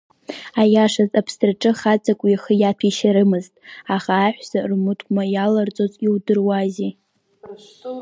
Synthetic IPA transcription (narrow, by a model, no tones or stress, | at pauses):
ajaʂazapʰstʼrʈ͡ʂʼɨχat͡sʼakʷʼjaχəjatʷʰiʃaɾɨmɨztʼaχaːħʷsarmɨtʰʼkʷʼmajalart͡sʼozʼiwdɨrwazi